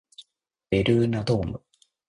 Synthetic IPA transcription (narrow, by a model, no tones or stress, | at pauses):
beɾɯ̟ːnad̪oːmɯ̟̰